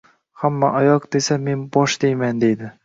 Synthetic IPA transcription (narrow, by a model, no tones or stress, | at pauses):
hamːa̰ʔajɒqd̪e̞same̞nbɒʃd̪ejmand̪e̞jd̪ɪ